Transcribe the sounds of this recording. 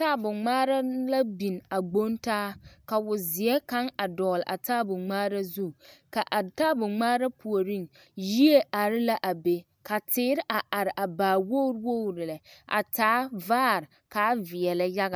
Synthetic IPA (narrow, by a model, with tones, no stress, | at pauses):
taː˦bʊ˨ŋ͡maː˦ɾa˦la˦bi˨na˨ɡ͡bo˦ntaː˦ka˨wʊ˨zɪ˨ɛ˦ka˦ŋa˨dɔ˨lʔa̰˨taː˦bʊ˨ŋ͡maː˦ɾa˦zu˦ka˨ʔa˨taː˦bʊ˨ŋ͡maː˦ɾa˦pʰu˨o˨ɾi˦˨ŋ | ji˦e˦ʔa˨ɾɪ˦la˦ʔa˨be˨ | ka˨tɪː˦ɾɪ˦ʔa˨ʔa˨ɾɪ˨ʔa˨baː˨wo˦ɾwo˦˨ɾɪ˨lɛ˨ʔa̰˨taː˦vaː˦˨ɾ | ka˦vɪ˨ɛ˨la˨ja˦ɣa˨